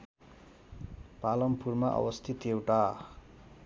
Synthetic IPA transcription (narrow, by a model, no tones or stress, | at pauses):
palʌmpurmaʔʌ̰wʌst̪ʰit̪ewʈa